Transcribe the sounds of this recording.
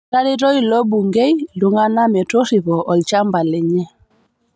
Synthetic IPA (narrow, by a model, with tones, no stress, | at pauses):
ɾa˦ɾi˦ɾɔ˦jilɔ˦bu˨ŋɡe˦jlu˨ŋa˦na˦mɛ˨to˦ri˨βɔ˨ʔɔ˨lt͡ʃa˦mba˨lɛ˨ɲɛ˦